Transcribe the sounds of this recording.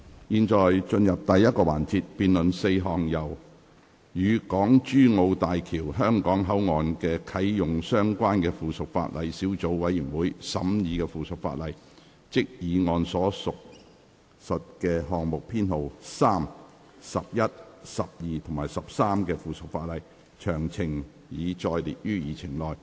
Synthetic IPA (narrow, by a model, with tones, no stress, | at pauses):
jiː˨nt͡ʃɔː˨jt͡ʃɵ˧njɐ˨p̚t̪ɐ˨jːɐ˥t̚kɔː˧wa̰ː˨˩nt͡siː˧t̚piː˨nlɵ˨nse˧jɦɔː˨ŋjɐ˨˩w | jyː˨˧kɔː˨˥ŋt͡ʃyː˥ŋo˧wt̪aː˨jkʰiː˨˩wɦœː˥ŋkɔː˨˥ŋɦɐ˨˥wŋɔː˨˧nkɛː˧kʰɐ˨˥jjʊ˨ŋsœː˥ŋkʷaː˥nkɛː˧fuː˨˩sʊ˨k̚fa̰ː˧t̚lɐ˨˧jsi˨˥wt͡so˨˥wwɐ˨˥jyː˨˩nwuː˨˥jsɐ˨˥mjiː˨˧kɛː˧fuː˨sʊ˨k̚fa̰ː˧t̚lɐ˨˩j | t͡sɪ˥k̚jiː˨˧ŋɔː˨˧nsɔː˨˥sʊ˨k̚ | sɐ˨t̚kɛː˧ɦɔː˨ŋmʊ˨k̚pʰiː˥nho˨wsaː˥m | sɐ˨p̚jɐ˥t̚sɐ˨p̚jiː˨t̪ʰʊ˨˩ŋmaː˨˩jsɐ˨p̚saː˥mkɛː˧fuː˨sʊ˨k̚faː˧t̚lɐ˨j | t͡ʃʰœː˨˩ŋt͡sʰɪ˨˩ŋ | jiː˨˧t͡ʃɔː˧jlḭː˨t̚jyː˥jiː˨t͡sʰɪ˨˩ŋlɔː˨j